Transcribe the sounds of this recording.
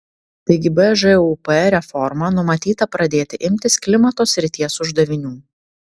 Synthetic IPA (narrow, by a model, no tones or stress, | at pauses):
t̪ɐɪɡʲɪbɛʒɛupɛɾʲɛfɔɾmɐnʊmɐt̪ʲiːt̪ɐpɾɐd̪ʲeːt̪ʲɪʔɪmʲt̪ʲɪsklʲɪmɐt̪oːsʲɾʲɪt̪ʲiɛsʊʒd̪ɐʋʲɪnʲuː